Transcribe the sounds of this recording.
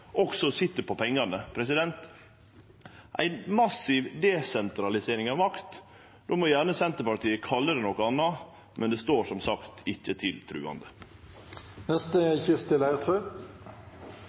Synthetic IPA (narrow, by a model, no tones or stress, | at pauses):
ʔɔksɔsɪt̪ːəpʰɔpʰɛŋːɑnəpʰɾɛs̬ɪd̪ɛnt̪ | ʔæ̰ɪnmɑsɪʋd̪ɛsɛnt̪ɾɑlɪseːɾɪŋɑʋmɑkt̪ | d̪̥omɔjæːɳəsɛnt̪əpɑɾt̪iːəkʰɑlːəɾɛnɔkəɑnːɑ | mʔɛnd̪ɛst̪oːʂɔmsɑkt̪ɪçːət̪ʰɪlt̪ʰɾʉ̰ːɑ̰nd̪ə | nɛst̪əçɪʁst̪ɪlæɪʁət̪ʰʁʉː